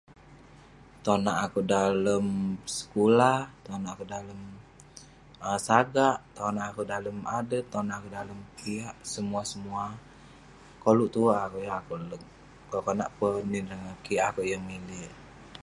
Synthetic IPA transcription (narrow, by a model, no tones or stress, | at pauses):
t̪onaʔakudaləmsə̥kulaht̪onaʔakuʔdaləm | əsaɡaʔt̪onaʔːkudaləmadət̪onaʔakudaləmkʰiaʔsəmuasəmua | koluʔt̪uakuʔjaakulə | akona̰ʔpəniɾəŋakiʔakuʔjamilɪh